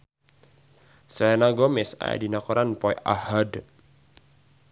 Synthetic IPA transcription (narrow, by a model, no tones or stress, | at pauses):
sɛnaɡɔmɪsa̰a̰dinakɔɾʔanpɔjʔa̰had